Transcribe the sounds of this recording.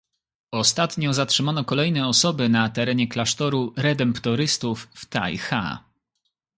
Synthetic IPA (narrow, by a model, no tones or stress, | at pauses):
ɔst̪at̪ɲɔzatʂɘmanɔkɔlɛjnɛɔsɔbɘnat̪ɛɾɛɲɛklaʂt̪ɔɾuɾɛd̪ɛmpt̪ɔɾɘst̪ufːt̪a̰jxa̰